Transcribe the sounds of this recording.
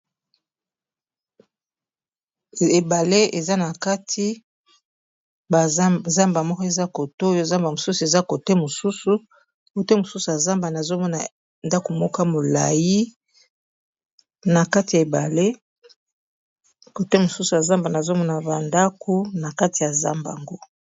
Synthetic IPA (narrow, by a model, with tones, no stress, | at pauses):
e˨ba˨le˦e˨za˦na˨ka˦tʰi˦˨ | za˦mba˨mɔ˦kɔ˦e˨za˦ko˨to˦jo˦˨za˦mba˨mo˨su˦su˨e˨za˦ko˨te˦mo˨su˦su˨ | ko˨te˦mo˨su˦su˨ja˨za˦mba˨na˨zo˦mɔ˦na˨ | nda˦ko˨mɔ˦ka˦mo˨la̰˨ji˦ | na˨ka˦ti˨ja˨e˨ba˨le˦ | ko˨te˦mo˨su˦su˨ja˨za˦mba˨na˨zo˦mɔ˦na˨ba˨nda˦ko˦na˨ka˦ti˨ja˨za̰˦mba̰˨ŋɡo˦